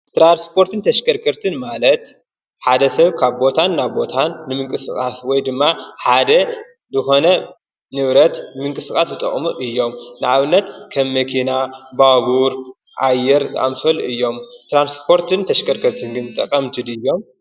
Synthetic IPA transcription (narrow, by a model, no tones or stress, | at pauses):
t̪ɾanspʰo̞ɾt̪ʰɨnt̪ʰɐʃkʰɐɾkʰɐɾt̪ʰɨnmalɐt̪ | ħad̪ɐsɐβkʰaβbo̞t̪ʰanːaβbo̞t̪ʰanːɨmɨŋkʼɨsɨkʼaswɔjd̪ɨmːaħad̪ɐ | zɨxo̞nɐ | nɨβɾɐt̪mɨŋkʼɨsɨkʼasbɨt̪ʼɐ̰χʼmuʔɨjːo̞mnɨʔaβɨnːɐt̪kʰɐmːɐkʰinabaβuɾ | ʔajːɛɾt̪ʼa̰mfɐlʔɨjːo̞mt̪ɾanspʰo̞ɾt̪ʰɨnt̪ʰɐʃkʰɐɾkʰɐɾt̪ʰɨnɡɨnt̪ʼɐkʼɐmt̪ʰɨd̪ɨjːo̞m